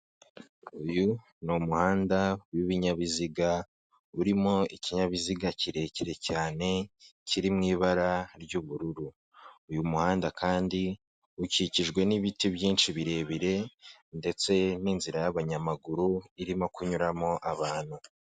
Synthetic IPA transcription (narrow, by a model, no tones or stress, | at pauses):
uju | numuhaːndaujuβiɲaβiziɡa | uɾimo̞iciɲaβiziɡaciɾe̞ciɾe̞caːne̞ciɾimŋiːβaɾaɾɟuβuɾuɾuː | jumuhaːndakʰaːndi | uciciʒɡwe̞niβitibjiːnʃiβiɾe̞ːβiɾe̞nde̞t͡se̞ninziɾajaβaɲamaɡuɾuiɾimo̞kʰuɲuɾamo̞ʔaβaːn̥hu